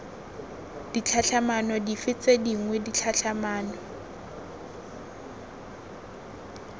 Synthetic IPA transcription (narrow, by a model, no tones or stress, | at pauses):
d̥it͡ɬʰaɬʰamanɔdifɪt͡sʼediŋwɛdit͡ɬʰaɬʰamaːnɔ